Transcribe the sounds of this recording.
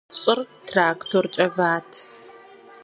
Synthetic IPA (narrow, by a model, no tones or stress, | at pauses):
ɕʼɪrtʰraːktʰort͡ʃʼɐvaːtʰ